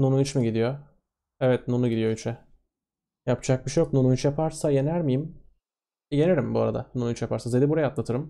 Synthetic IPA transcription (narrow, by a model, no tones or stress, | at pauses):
nonuit͡ʃmiɟid̪ijo | ɛvɛt̪nunuɟid̪ijo̞yit͡ʃʰɛ | japt͡ʃʰak̚biʃejok̚nunuit͡ʃjapʰaɾsaje̞næɾmijim | je̞neɾimbuaɾad̪a̰nonuit͡ʃjapʰaɾsazed̪ibuɾajat̪lˠat̪ʰɯɾɯm